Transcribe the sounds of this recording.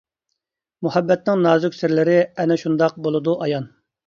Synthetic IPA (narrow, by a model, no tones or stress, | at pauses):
muhɛbːɛt̪nɪŋnɑːzʊkʲsɪɾlɪɾɪɛnɛʃund̪ɑq̚bolˠɨd̪uʔɑjɑn